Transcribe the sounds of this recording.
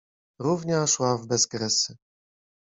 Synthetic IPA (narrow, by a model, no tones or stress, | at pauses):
ɾuvɲaʂwavbɛzɡɾɛsɘ